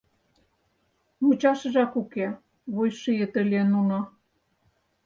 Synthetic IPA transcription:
mut͡ɕɑʃə̆ʒɑkuke | βujʃijə̆t̪ə̆lʲenunɑ

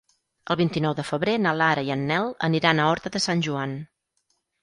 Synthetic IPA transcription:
əlˠβint̪inɔwðəfəβɾenalaɾəiənːɛlˠə̰niɾanəɔɾt̪əðəsanʲʒuan

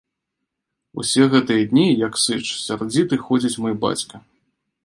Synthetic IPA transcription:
ṵsʲɛɣɛt̪ɨjɐd̪ʲnʲijɐksɨt͡ʂsʲard͡zʲit̪ɨxɔd͡zʲit͡sʲmɔjba̰t͡sʲkɐ

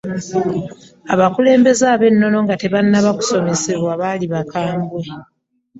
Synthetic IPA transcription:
aβakule̞ːmbe̞zaːβe̞nːo̞no̞ŋɡate̞βanːaβaku̥so̞me̞se̞βwaβaliβakaːmbwe̞

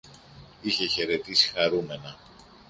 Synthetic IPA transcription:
içe̞çe̞ɾe̞t̪isi̥xɐɾume̞nɐ

